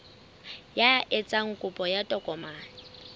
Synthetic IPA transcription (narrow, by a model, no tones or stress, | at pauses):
jaʔɛt͡sʼaŋ̩kʼʊpʼɔjatʼɔkʼɔmaːnɪ